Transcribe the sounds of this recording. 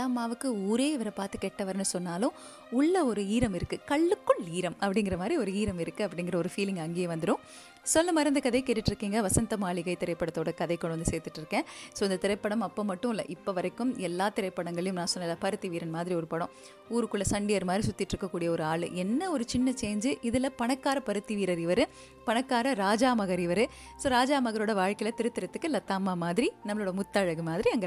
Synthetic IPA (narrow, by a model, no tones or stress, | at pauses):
laːmaːʋɯkːɯuːɾeːɪʋɐɾɐpaːɾt̪ɯkɛʈːɐʋɐɾnːɯsɔnːaːlʊ̃ | ʊɭːɐɔɾɯiːɾɐmɪɾɯkːɯkɐɭːɯkːʊɭiːɾɐmɐpːɐɽɪŋɡɪɾɐmaːd̪ɾiɔɾɯiːɾɐmɪɾɯkːɯɐpːɐɽɪŋɡɪɾɐɔɾɯfiːlɪŋɡɐŋɡeːjɐʋɐnd̪ɯɾɯ̃ | sɔlːɐmaɾɪnd̪ɐkɐðɐɪkeːʈːɪʈːɪɾɯkːiːŋɡɐʋɐsɐnt̪ɐmaːɭɪɣɐɪt̪ɪɾɐɪpːɐɽɐt̪ːoːɽɐkɐðɐɪkɔɽɐnd̪ɯseːɾt̪ːɯʈːɪɾɯkːẽːsoːɪnd̪ɐt̪ɪɾɐɪpːɐɽɐmɐpːoːmɐʈːʊ̃ɪlːɐ̰ʔɪpːoːʋɐɾɐɪkːɯmɛlːaːt̪ɪɾɐɪpːɐɽɐŋɡɐɭɐjɯmnãːsɔnːɐɪlaːpɐɾɯt̪ːiʋiːɾɐnmaːðɪɾiɔɾɯpɐɽõ | uːɾɯkːɯɭːɐsɐɳɖɪjɐɾmaːðɾisʊt̪ːɪʈːɾɯkːɐkːuːɽɪjɐɔɾɯaːɭɯ̰ɛnːɐɔɾɯt͡ʃɪnːɐt͡ʃeːɲd͡ʒɯʔɪðɪlɐpɐɳɐkːaːɾɐpɐɾɯt̪ːiʋiːɾɐɾɪʋɐɾɯ | pɐɳɐkːaːɾɐɾaːd͡ʒaːmɐɣɐɾɪʋɐɾɯ | soːɾaːd͡ʒaːmɐɣɐɾoːɽɐʋaːɻkɐɪlɐt̪ɪɾɯt̪ːɪɾɐt̪ːɯkːɯlɐt̪ːaːmaːmaːðɪɾinɐmɐɭoːɽɐmʊt̪ːaːɻɐɣɯmaːðɪɾiɐŋɡɐ